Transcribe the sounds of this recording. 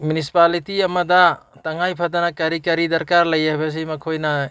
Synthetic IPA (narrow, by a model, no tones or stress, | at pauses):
mjunisi̥palitiɐmɐdɐtɐŋajpʰadɐnɐkɐɾikɐɾidɐɾkaɾlɐjajbɐs̬imɐkʰojnɐ